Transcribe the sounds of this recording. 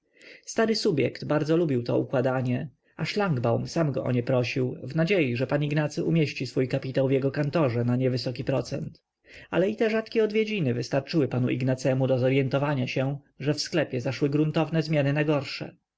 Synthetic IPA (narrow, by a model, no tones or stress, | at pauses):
st̪aɾɘsubʲjɛkd̪baɾd̪zɔlubʲiwt̪ɔ̰ṵkwad̪aɲɛ | aʂlaŋɡbawnsamɡɔ̰ʔɔ̰ɲɛpɾɔɕiwvnad͡ʑejiʐɛpaniɡnat̪sɘʔumʲjeɕt͡ɕisfujkapʲit̪awvjɛɡɔkant̪ɔʐɛnaɲɛvɘsɔkʲipɾɔt̪sɛnt̪ | a̰lɛit̪ɛʐat̪kʲɛɔd̪vʲjed͡ʑinɘvɘst̪aɾt͡ʂɘwɘpanṵʔḭɡnat̪sɛmud̪ɔzɔɾjɛnt̪ɔvaɲaɕɛ | ʐɛfsklɛpʲjɛzaʂwɘɡɾunt̪ɔvnɛzmʲjanɘnajɡɔɾʂɛ̰